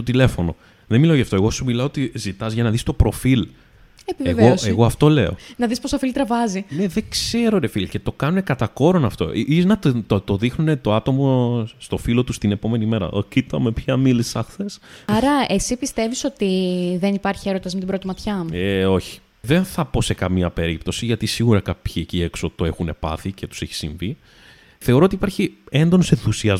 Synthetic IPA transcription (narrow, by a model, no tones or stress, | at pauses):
st̪ot̪ile̞fo̞no̞̰ | ðemilɐoʝɐft̪o̞eɣosumilɐot̪izit̪ɐzʝɐnɐðist̪o̞pɾo̞fil | epiveveooseɣo̞ɐft̪o̞le̞o̞̰nɐðispo̞st̪ofilt̪ɾɐvɐzine̞ðekse̞ɾo̞ɾefilce̞t̪o̞kɐnune̞kɐt̪ɐko̞ɾo̞nɐft̪o̞̰ʔiʔiznɐtt̪t̪o̞ðixnune̞t̪oɐt̪o̞most̪o̞filo̞t̪ust̪ine̞po̞me̞nime̞ɾɐ̰ʔocit̪ɐme̞pçɐmilisɐxθe̞sɐɾɐesipist̪e̞viso̞t̪iðenipɐɾçieɾo̞t̪ɐzmet̪ibɾo̞t̪imɐt̪çɐeo̞çi̥ | ðe̞nθɐpo̞se̞kɐmiɐpe̞ɾipt̪o̞siʝɐt̪isiɣuɾɐkɐpçiecieksot̪oe̞xune̞pɐ̰θice̞t̪u̥seçi̥siɱvi | θe̞oɾoot̪ipɐɾçie̞nd̪o̞noseθusiɐz